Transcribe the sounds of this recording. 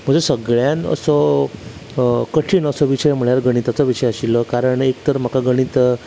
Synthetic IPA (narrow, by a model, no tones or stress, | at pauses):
m̤əd͡ʑesəɡɭjãnə̰sɔ | kəʈʰiːɳəsɔʋiɕəjm̤əɭjaɾɡəɽ̃it̪at͡sɔʋiɕəjaɕilːəkaɾəɳek̚t̪əɾm̤əkaɡəɽ̃it̪